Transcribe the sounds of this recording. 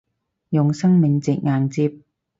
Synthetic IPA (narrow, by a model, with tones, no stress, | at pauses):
jʊ˨ŋsɐ˥ŋmɪ˨˧ŋt͡sɪ˨k̚ŋaː˨nt͡siː˧p̚